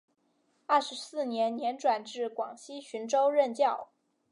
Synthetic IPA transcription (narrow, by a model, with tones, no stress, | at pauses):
a˥˩ʂɻ̩˧˥sɹ̩˥˩njɛ˧˥nnjɛ˧˥nʈ͡ʂwa˨˩nʈ͡ʂɻ̩˥˩kwɑ˨˩ŋɕi˥ɕʰy˧˥nʈ͡ʂo˥ʊɻə˥˧nt͡ɕjɑ˥˩ʊ